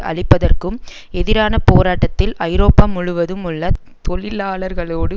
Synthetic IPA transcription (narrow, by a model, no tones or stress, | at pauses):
ʔɐ̰ɭɪpːɐðɐrkɯm | ɛðɪɾaːnɐpoːɾaːʈːɐt̪ːɪlɐɪɾoːpːaːmʊɻʊʋɐðɯmɯɭːɐ | t̪ɔɭɪlaːɭɐɾɣɐɭoːɽɯ